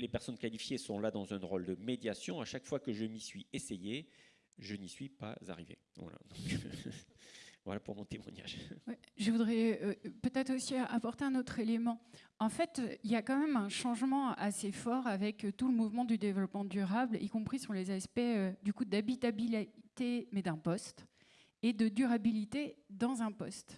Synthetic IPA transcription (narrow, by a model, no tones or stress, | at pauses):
lepɛʁsɔnkalifjesɔ̃lad̪ɑ̃zɛ̃ʁɔld̪əmed̪jasjɔ̃aʃakfwakəʒəmisɥieseje | ʒənisɥipa̰za̰ʁivḛ | vwa̰la̰d̪ɔ̃k | vwa̰lapuʁmɔ̃t̪emwa̰ɲa̰ʒwɛʒəvud̪ʁɛpøt̪ɛt̪χosiapɔʁt̪eɛ̃not̪χelemɑ̃ɑ̃fɛt̪øiljakɑ̃mɛmɛ̃ʃɑ̃ʒmɑ̃asefɔʁavɛkt̪uləmuvmɑ̃d̪yd̪evlɔpmɑ̃d̪yʁablḭkɔ̃pχisɔ̃lezaspɛød̪ykud̪abit̪abilt̪emɛd̪ɛ̃pɔst̪ | ed̪əd̪yʁabilit̪ed̪ɑ̃zɛ̃pɔst̪